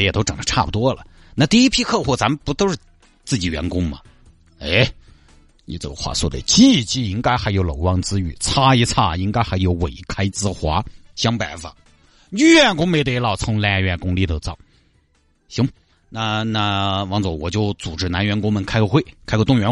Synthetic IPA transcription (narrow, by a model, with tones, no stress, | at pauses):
ə˥jɛ˨˩t̪o˥ʊʈ͡ʂɑ˨˩ŋd̪ə˦ʈ͡ʂʰa˥˩pu˨˩t̪wɔ˥lə̰˨ | na˥˧t̪i˥˩i˥pʰi˥kʰɤ˥˧xwɔ˥˩t͡sa˧˥mə˨˧pu˧˥t̪o˥ʊʂɻ̩˥˧ | t͡sɹ̩˥˩t͡ɕi˨˩ɥɛ˧˥nkʊ˥ŋmɐ̰˨ | e˧˥ | ni˨˩ʈ͡ʂɤ̰˥˧˩ɡə˧˩xwa̰˥˩swɔ̰˥˩d̪ə̰˩t͡ɕi˥˩˧t͡ɕi˥˩i˥ŋka˥ɪxa˧˥ɪjo˧˥ʊlo˨˩ʊwɑ˥ŋt͡sɹ̩˥y̰˥˩t͡sʰa˥i˧˥t͡sʰa˥˩i˥ŋka˥ɪxa˧˥ɪjo˧˥ʊwe˨˩ɪkʰa˥ɪt͡sɹ̩˥xwa˧˥ɕjɑ˥ŋpa˧˩ɪfa̰˨˩ | y˥ɥɛ˥˩nkʊ˥ŋme˧˥ɪt̪e˥˧ɪlɑ˥˩ʊt͡sʰʊ˧˥ŋla˧˥˧ɥɛ˥˩nkʊ˥ŋli˥˩t̪o˧˩ʊt͡sɑ˥˩˦ŋ | ɕi˧˥ŋ | na˥˧na˥˩wɑ˧˥ŋt͡swɔ˧˩wɔ˨˩t͡ɕjo˥˩ʊt͡su˨˩ʈ͡ʂɻ̩˥˩na˧˥nɥɛ˧˥nkʊ˥ŋmə˨nkʰa˥ɪko˧˥xwe˥˩ɪkʰa˥ɪko˧t̪ʊ˥˩ŋɥɛ˧˥n